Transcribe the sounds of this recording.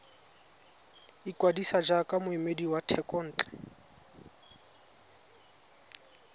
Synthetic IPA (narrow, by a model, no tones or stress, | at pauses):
ikʼwadisad͡ʒakʼamʊimediwatʰɛkʼɔn̩ːt͡ɬʼɛ̥